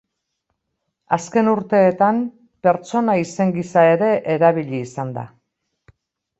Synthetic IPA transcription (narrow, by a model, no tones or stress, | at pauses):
aske̞nuɾt̪e̞ːt̪am | pe̞ɾt͡so̞naise̞ŋɡisae̞ɾe̞ʔeɾaβiʎiːsand̪a̰